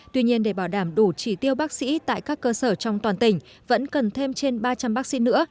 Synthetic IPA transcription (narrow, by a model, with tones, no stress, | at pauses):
t̪wi˧ɲi˧ənɗe˧˩ɓaː˧˩ɗaː˧˩mɗu˧˩t͡ɕi˧˩t̪i˧əwɓaː˦˥k̚sḭ˧˥t̪a̰ː˧˨jkaː˦˥kːəː˧səː˧˩t͡ɕɔ˧wŋ͡mt̪waː˨˩nt̪ï˧˩ŋ̟ | və̰˧˥nkə˨˩nt̪ʰe˧mt͡ɕe˧nɓaː˧t͡ɕa˧mɓaː˦˥k̚sḭ˧˥nɨ̰˧˥ə